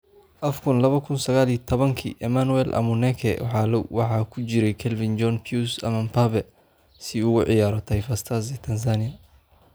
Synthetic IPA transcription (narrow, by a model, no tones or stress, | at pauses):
ʔɐfkʰʊnlɐβɐkʰʊnsɐɣaːliːt̪ʰɔβɐŋkʰḭːʔɛmanwɛlʔɐ̰mʊnɛkʰɛ̰w̰ħɑːlɔwwɑħɑːkʰʊt͡ʃɪɾɛjkʰɛlvɪnd͡ʒɔnpʰjusɐmɐnpʰaβɛ | sɪuɣʊʕɪjaːɾɔt̪ʰɐjfɐst̪ʰɐs̬ɛt̪ʰɐns̬aːnɪjɐ